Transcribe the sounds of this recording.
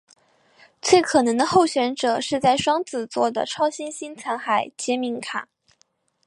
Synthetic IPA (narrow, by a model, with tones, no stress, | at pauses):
t͡swe˥˩ɪkʰɤ˨˩nɤ˧˥ŋd̪ə˧xo˥˩ʊɕɥɛ˧˥nʈ͡ʂɤ˨˩ʂɻ̩˥˧t͡sa˥˩ɪʂwɑ˥ŋt͡sɹ̩˨˩t͡swɔ˥˩d̪ə̰˩ʈ͡ʂʰɑ˥ʊɕi˥nɕi˥nt͡sʰa˧˥nxa˨˩ɪt͡ɕjɛ˧˥mi˧˥ŋkʰa̰˨˩˦n